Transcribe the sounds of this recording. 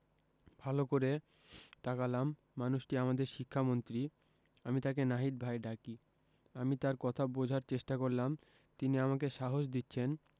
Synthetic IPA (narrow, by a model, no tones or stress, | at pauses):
bʱalokoɾe | t̪akalamː | anuʃʈiamad̪eɾʃikʰːamont̪ɾi | amit̪akenaɦiɾ̚bʱajɖaki | amit̪aɾkɔt̪ʰabod͡ʑʱaɾt͡ɕeʃʈakoɾlam | t̪iniamak̬eʃaɦoʃd̪itːɕʰen